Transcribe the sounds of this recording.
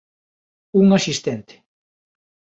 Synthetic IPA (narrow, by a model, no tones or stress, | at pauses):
uŋasist̪ent̪e̥